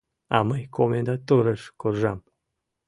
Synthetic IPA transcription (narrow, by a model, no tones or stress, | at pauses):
a̰məjkʰomʲend̪at̪oɾəʃkorʒɑm